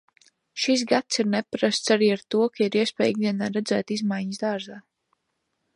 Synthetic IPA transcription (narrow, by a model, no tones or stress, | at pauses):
ʃis̬ɡat̪siɾnɛpɾast̪saɾiːaɾt̪uɔkaiɾiɛspɛ̰ːjiɡ̚d̪iɛnaːɾɛd̪zæːt̪izmajɲəsd̪aːɾzaː